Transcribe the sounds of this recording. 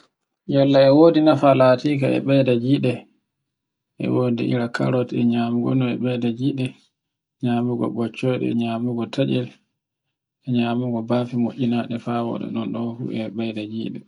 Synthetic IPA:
jalːaɛwoːdinafalatikaɛ̰ɓɛjdad͡ʒiɗɛ | ʔɛ̰woːdḭʔḭɾakʰa̰ɾɔtɛɲaːmuɡɔ̰nɔɛɓɛjdad͡ʒiɗɛ | ɲamuɡɔ̰ɓɔt͡ʃːɔjɗɛ̰ɲaːmuɡɔtʰad͡ʒɛl | ɛɲaːmuɡɔbafimoʔʲinaɗɛfawɔ̰ɗɛ̰ɗɔnɗɔfṵɛɓɛjdad͡ʒiɗɛ

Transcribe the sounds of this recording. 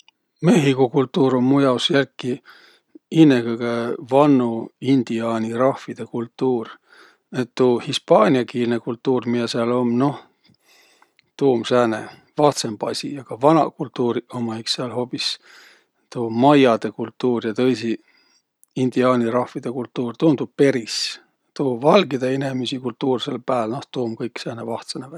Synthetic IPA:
me̞ɦikokult̪ːˑuːɾomːujɑwsjælkˑːi | inːekɤɡ̥evɑnːuind̪̥iɑːnʲiɾɑhvid̪̥e̞kult̪ːˑuːr | net̪ːuːhispɑːnʲiɑkiːlnekult̪ːˑuːrmijɑseɑlo̞mno̞h | t̪uːmsæːnḛ | vɑht̪sembɑsʲḭjɑkɑvɑnɑ̰kult̪ːuːɾiomɑiksseɑlho̞ːpːis | t̪uːmɑjɑd̪̥e̞kult̪ːuːrjɑt̪ɤjsi | ind̪̥iɑːnʲiɾɑhvid̪̥e̞kult̪ːuːrt̪uːmt̪upe̞ɾis | t̪uːvɑlɡid̪̥eene̞mesikult̪ːuːrselpæːlnoht̪uːmkɤjkːsæːnevɑht̪senevæ

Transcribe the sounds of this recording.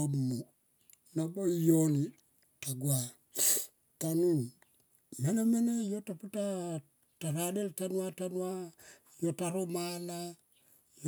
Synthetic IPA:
omːu | nabojoni | taɡwa | tanun | menamenejotaputa | taɾadeltanwatanwa | jotaɾomala | j

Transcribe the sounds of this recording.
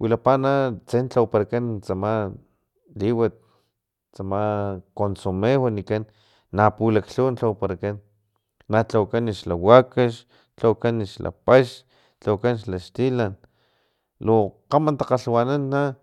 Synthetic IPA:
wilapanat͡sent͡ɬawpaɾakant͡sama | liwat̪̚ | t͡samakonsumewanikanː | apulakɬunt͡ɬawpaɾakanː | at͡ɬawkaniʃlawakaʃ | t͡ɬawkaniʃla̰paʃ | t͡ɬawkanʃlaʃt̪ilan | loqamant̪aqaɬwananːa

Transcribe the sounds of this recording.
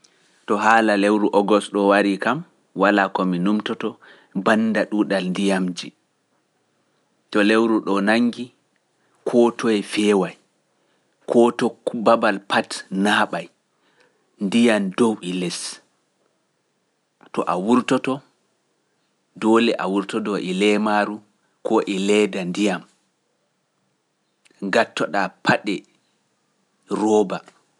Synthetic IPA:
tɔɦaːlalewɾuʔɔɡɔsɗɔwaɾikam | walakɔminumtɔtɔ | bandaɗuɗalndijamd͡ʒi | tɔlewɾuɗɔnaŋːɡi | kʰɔtʰɔɛfɛːwaj | kʰɔtɔbabalpatnaːɓaj | ndijamdowʔilɛs | tɔ̰ʔawuɾtɔtɔ | dɔlɛʔa̰wuɾtɔdɔʔɛlɛmaɾu | kɔʔɛlɛːdandijam | ŋɡatːɔɗapʰaɗɛ | ɾɔːba

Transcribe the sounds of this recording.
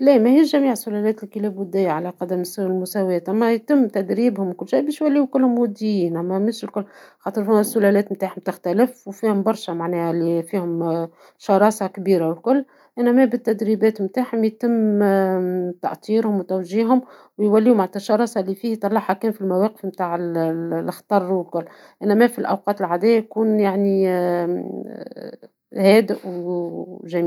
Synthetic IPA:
læːmæhiːʃʒæmiːʕsʊlælɛːt̪ɪlkilɛːbʊd̪ɪjːaʕalæqɑd̪æmslmʊsæwɛːt̪ʔæmːæjt̪ɪmːt̪æd̪ɾiːbhʊmwkʊlːʃajbiːʃjwælːiːukʊlːhʊmwʊd̪ːijiːnʔæmːæmɪʃlkʊlːxɑːt̪ˤəɾˤfæmːæsːʊlælɛːt̪mt̪aːʕhʊmt̪ɪxt̪ælɪfwfiːhʊmbɑɾˤʃæmaʕnɛːhælːifiːhʊm | ʃɑɾˤɑːsɑkbiːɾawlkʊlː | ʔænæmæbɪt̪ːæd̪ɾibɛːt̪mt̪aːħhʊmjt̪ɪmː | t̪ɑ̰ʔt̪ˤiːɾhʊmwt̪æwʒiːɦhʊmwjwælːiːʊmʕat̪ɑʃɑɾˤɑːsˤɑlːifiːht̪ˤːɑlːɑħhækɛːnfilmæwɛːqə̥fmt̪aːʕɪllxt̪ˤɑrˤːwɪlkʊlː | ʔænæmæfilʔæ̰wqɑːt̪ɪlʕad̪ɛːjjkuːnjaʕni | hɛːd̪ɪʔw | ʒæmi

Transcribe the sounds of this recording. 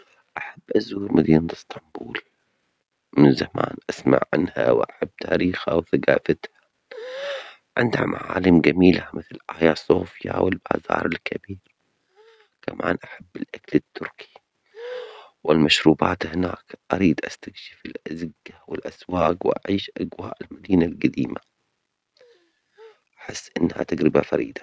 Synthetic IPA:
ʔaħabːʔazuːɾmad̪iːnt̪ɪst̪ɑmbuːl | mɪnzamaːnʔasma̰ʕʕanha̰wʔaħabːt̪ʰaːɾiːxhawθaɡa̰ːfat̪hḁ | ʕɪ̰nd̪hamʔaʕa̰ːlɪmɡamiːlamɪθlʔaːjasˤoːfjawɪlbaːzɑːɾˤɪlkʰɪbiːɾ | kamʔaːnʔaħabːɪlʔakalɪt̪ːʊɾkʰi̥ | wɪlmaʃɾuːbaːt̪hɪnaːkʔaɾiːd̪ʔast̪akʃɪ̥fɪlʔazɪɡːawɪlʔaswaːkwʔaʕiːʃʔaɡwaːʔɪlmad̪iːnalɡad̪iːma | ʔḁħɪsːʔɪnːha̰t̪aɡɾɪbafaɾḭːd̪a

